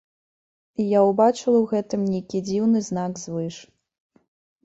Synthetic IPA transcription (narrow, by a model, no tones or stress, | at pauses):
ijawbat͡ʂɨlˠɐwɣɛt̪ɨmnʲejkʲid͡zʲiwnɨzn̪aɡzvɨʂ